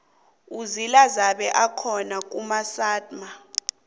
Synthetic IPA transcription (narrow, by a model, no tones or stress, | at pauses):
uzilazaɓɛʔakʰɔnak̬ʼumasaːdʼma